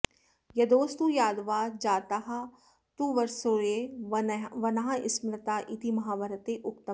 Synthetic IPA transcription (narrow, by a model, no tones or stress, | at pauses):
jɐd̪oːst̪ujaːd̪ʋaːd͡ʒaːt̪aɦa | t̪uːʋɐɾsoːe | ʋɐnaɦãʔɪsmlɐt̪aːʔit̪imɐɦaːʋɐɾət̪eʔʊk̚t̪ə